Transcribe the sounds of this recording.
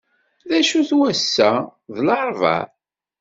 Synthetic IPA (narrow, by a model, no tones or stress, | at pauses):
ðæʃuθwæsːæðlɑɾˤvɑ̰